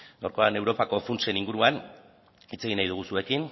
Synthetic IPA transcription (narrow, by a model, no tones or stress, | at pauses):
ɡawɾko̞ane̞wɾo̞pako̞funt͡se̞niŋɡuɾuan | it͡se̞ɣ̞inajðuɣ̞usue̞kin